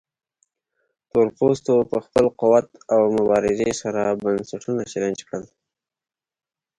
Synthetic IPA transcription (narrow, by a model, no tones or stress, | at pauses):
t̪oɾpost̪opəxpəlquwat̪awmʊbɑɾɪzesaɾabansaʈʰunat͡ʃaland͡ʒkɽəl